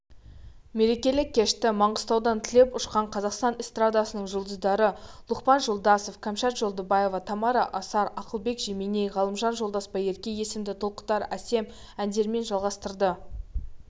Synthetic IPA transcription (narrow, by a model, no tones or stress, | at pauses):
me̞ɾe̞kʲe̞lɪkʲʰːe̞ʃt̪ɪmɑɴʁəst̪ɑwd̪ɑnt̪ʰɪle̞pʊʃqɑɴqʰɑzɑqst̪ɑnɪst̪rad̪ɑsənəɴʒʊlˠd̪əzd̪ɑɾəlˠʊqpɑnʒolˠd̪ɑsofkʰamʃɑt̪ʒ̥olˠd̪əbɑje̞vɑt̪ʰɑmɑɾɑʔɑsɑɾɑqəlˠbe̞kʒemenejʁɑlˠəmʒɑnʒo̞lˠd̪ɑspɑje̞ɾkʲe̞je̞sɪmd̪ɪt̪ʰolˠqə̥t̪ɑɾæse̞m | ænd̪e̞ɾme̞nʒɑlˠʁɑst̪əɾd̪ə